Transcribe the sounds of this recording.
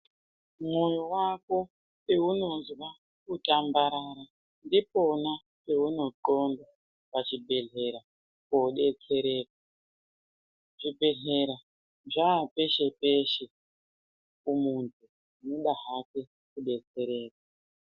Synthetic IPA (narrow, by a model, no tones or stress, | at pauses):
mwojowako | peuno̞zwa | kutʼambaɾaːɾa | ndipo̞na | pe̞uno̞ǃonba | pat͡ʃibʱe̞ɮe̞ɾa | koɗe̞t͡se̞ɾe̞ːk̚a | ʐ̥ibʱe̞ɮeɾa | ʐaːpe̞ʃe̞peʃe | kumuntʰu | noɗaɦake | kuɗe̞t͡se̞ɾe̞ːka